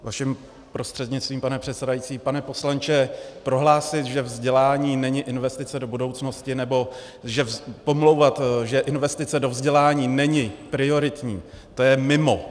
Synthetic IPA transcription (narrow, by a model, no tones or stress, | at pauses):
vaʃɪm | pɾo̞st̪r̥ɛdɲɪt͡st̪viːmpanɛpr̝̥ɛt̪sɛdajit͡siːpanɛpo̞slant͡ʃɛpɾo̞ɦlaːsɪt̪ʒɛvzɟɛlaːɲiːnɛɲɪʔɪnvɛst̪ɪt͡sɛdo̞budo̞wt͡sno̞scɪnɛbo̞ | ʒɛpo̞mlo̞wvat̪ʒɛʔɪnvɛst̪ɪt͡sɛdo̞vzɟɛlaːɲiːnɛɲɪpɾɪo̞ɾɪt̪ɲḭː | t̪ojɛmɪmo̞